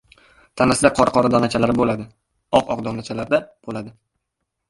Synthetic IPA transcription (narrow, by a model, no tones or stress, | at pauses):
t̪ʰanasɪd̪aqʰɒɾqʰɒɾad̪ɒnat͡ʃʰalaɾɪbolad̪ɪ | ɒqɒqd̪ɒnat͡ʃʰalaɾd̪ab̥olad̪ɪ